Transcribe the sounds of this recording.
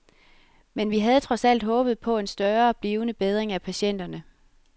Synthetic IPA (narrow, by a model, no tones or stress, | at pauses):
menʋiɦæð̞ˠt͡sʰʁɒ̽sæl̰d̥ɦɔ̽ːb̥ð̞̩ˠpʰɒ̽e̝nsd̥ɶːɐb̥liːʊnəb̥eð̞ˠʁeŋæpʰæɕen̰d̥ɐnə